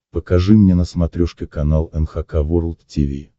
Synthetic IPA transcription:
pəkɐʐɨmnʲenəsmɐt̪ɾʲoʂkʲɪkɐnalˠɛnxakavoɾlˠt̪tʲivʲḭ

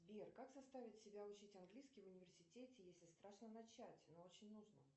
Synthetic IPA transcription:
bʲerkakzɐst̪avʲɪtʲsʲɪbʲaʊt͡ɕitʲɐnɡlʲiskʲɪvʊnʲɪvʲɪrsʲɪtʲetʲɪjesʲlʲɪst̪ɾaʂnənɐt͡ɕætʲnoot͡ɕɪnʲnuʐnə

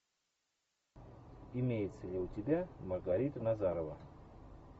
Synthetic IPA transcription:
imʲejɪt̪səlʲeutʲɪbʲamərɡaɾʲit̪ənazaɾəvə

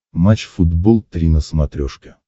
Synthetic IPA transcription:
mat͡ɕfʊd̪bolˠt̪ɾʲinəsmɐt̪ɾʲoʂkʲɪ

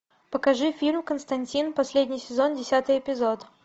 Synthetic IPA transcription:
pəkɐʐɨfʲilʲmkənst̪ɐnʲtʲinpɐsʲlʲedʲnʲɪjsʲɪzondʲɪsʲat̪ɨjɪpʲɪzot̪

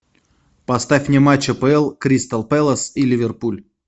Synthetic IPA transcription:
pɐst̪afʲnʲemat͡ɕːəpəɛlˠkɾʲist̪əlˠpɛlˠəsilʲɪvʲɪrpulʲ

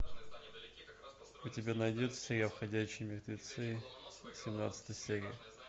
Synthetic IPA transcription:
ʊtʲɪbʲanɐjdʲut̪sʲeɾʲɪjafxɐdʲæɕɪjmʲɪrt̪ʲɪt̪sɨsʲɪmna̰t̪sə̥t̪əjsʲeɾʲɪ̰ə

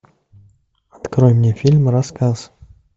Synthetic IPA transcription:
ɐt̪kɾojmnʲefʲilʲmɾɐskaz̥

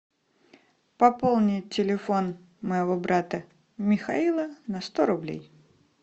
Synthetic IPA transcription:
pɐpo̞lˠnʲɪtʲːɪlʲɪfo̞n | məjɪvobɾat̪ə | mʲɪxɐilˠənɐst̪oɾʊblʲḛj

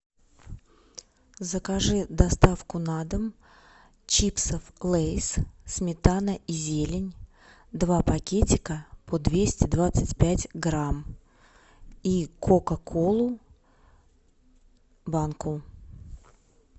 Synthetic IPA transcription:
zəkaʐɨd̪ɐst̪afkʊnad̪əm | t͡ɕipsəflˠejssmʲɪt̪anəʔizʲelʲɪnʲ | d̪vapɐkʲetʲɪkəpʰod̪vʲesʲtʲɪd̪vat̪sɨtʲpʲætʲɡɾam | ikʰokɐkʰolˠʊ | bankʊ

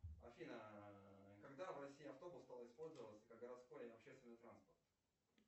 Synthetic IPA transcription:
ɐ̰fʲinə | kɐɡd̪avrɐsʲiɪɐft̪o̞bʊst̪alˠɪspo̞lʲzəvət̪sə̥kaɡ̚ɡəɾɐt̪sko̞jɐpɕːest̪vʲɪnːɨjt̪ɾanspərt̪

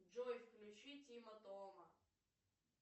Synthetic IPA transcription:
d͡ʒojfklʲʊt͡ɕitʲimɐt̪omɐ

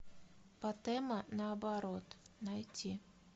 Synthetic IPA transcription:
pɐt̪ɛmɐnəːbɐɾot̪nɐjtʲi

